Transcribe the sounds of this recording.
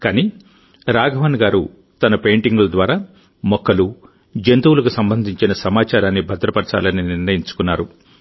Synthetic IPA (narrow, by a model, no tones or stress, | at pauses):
kaːniː | ɾaːɡʱɐʋɐnɡaːɾu | t̪ɐnɐpejɳʈiŋɡulɐd̪ʋaːɾaː | mɔkːɐlu | d͡ʒent̪uwulɐk̬usɐmbɐnd̪ʱiɲt͡ʃinɐsɐmaːt͡ʃaːɾaːnːibʱɐd̪ɾɐpɐɾt͡ʃa̰ːlɐnːiniɾnɐjiɲt͡ʃu̥kunːaːɾu